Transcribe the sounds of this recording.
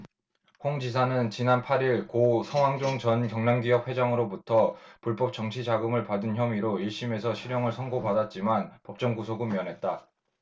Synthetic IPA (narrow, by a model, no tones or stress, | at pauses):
hoŋd͡ʑisʰanɯnt͡ɕinanpʰaɾiɭkosʰʌŋwaŋd͡ʑoŋt͡ɕʌnkjʌŋnaŋɡijʌp̚ɸwe̞d͡ʑaŋɯɾobutʰʌpuɭp͈ʌp̚t͡ɕ͈ʌŋt͡ɕʰid͡ʑaɡɯmɯɭpadɯnçjʌmiɾoiɭɕ͈ime̞sʰʌɕʰiɾjʌŋɯɭsʰʌŋɡopadat̚t͡ɕ͈imanpʌp̚t͡ɕ͈ʌŋɡusʰoɡɯmjʌnɦe̞t̚t͈a